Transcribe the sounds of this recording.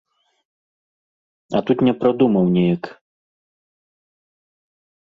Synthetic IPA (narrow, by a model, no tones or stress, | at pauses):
ɐ̰t̪ut̪nʲɛpɾad̪umɐwnʲɛjɐk